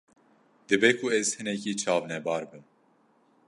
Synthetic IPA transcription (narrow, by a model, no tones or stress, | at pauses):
d̪ɨbekʰuɛz̥hɨnɛkiːt͡ʃʰɑːvnɛbɑːɾbɨn